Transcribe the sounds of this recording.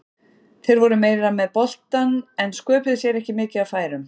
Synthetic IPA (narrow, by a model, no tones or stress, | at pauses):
θejɾvɔɾʏmeːjɾamɛðpɔl̥t̪anɛnskœːpɪðʏsjɛɾɛhcɪmɪːcɪawfaːjɾʏm